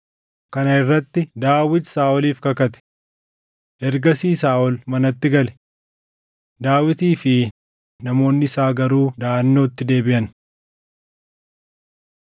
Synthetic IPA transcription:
kɐnɐɪrːɐt̪ːɪd̪aːwɪt̪saːʔɔliːfkɐkɐt̪ɛ̥ | ʔɛɾɡɐsiːsaːʔɔlmɐnɐt̪ːɪɡɐlɛ̥ | d̪aːwɪt̪iːfɪ | nɐmo̞ːnːɪsaːɡɐɾuːd̪aːʔɐnːoːt̪ːɪd̪e̞ːbɪʔɐn

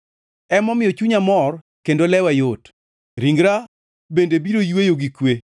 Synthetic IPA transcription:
ɛmɔmɪjɔt͡ʃuɲamɔr | kendolɛwajot | ɾiŋɡɾa | bendebiɾojwejoɡikwe

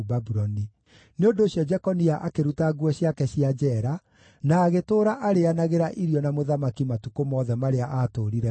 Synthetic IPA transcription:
babuɾɔni | neondoːɕjɔd͡ʒɛkɔniaʔakeɾutaɡwɔɕjakɛɕiad͡ʒɛɾa | naːɣetoːɾaʔaɾeanaɣeɾaʔiɾiɔnamoðamakimatukomɔːðɛmaɾeaʔatoːɾiɾɛ

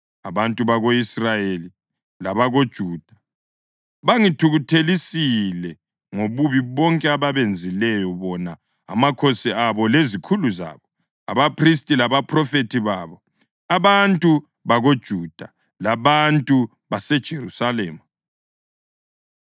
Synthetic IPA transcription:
aβantʼuβaɣoisrajeli | laβaɣod̥ʒ̥ʱuːd̥ʱḁ | βaŋitʰuɣutʰelisilɛ | ŋoβuβiβɔŋkʼɛaβaβend͡zʱilɛjɔβɔna | a̰makʰosiaβɔlezikʰuluza̰ːβɔ | a̰βapris̬tʼilaβapʰʼrɔfetʰiβaːβɔ | aβantʼu | βaɣod̥ʒ̥ʱuːd̥ʱa | laβantʼu | βasɛd̥ʒ̥ʱerusalɛːma

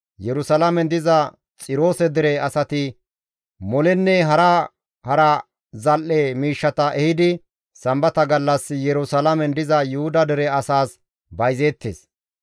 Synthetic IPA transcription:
jɛɾʊsɐlɐmɛnd̪ɪzɐ | t͡sʼɪɾo̞ːsɛd̪ɪɾɛɐsɐt̪ɪ | mɔlɛnːɛɦɐɾɐ | hɐɾɐ | zɐlʔɛmiːʃːɐt̪ɐʔɛhɪd̪ɪ | sɐmbɐt̪ɐɡɐlːɐsːɪjɛɾʊsɐlɐmɛnd̪ɪzɐjʊhʊd̪ɐd̪ɪɾɛɐsaːs | bɐjzeːt̪ːḛːs

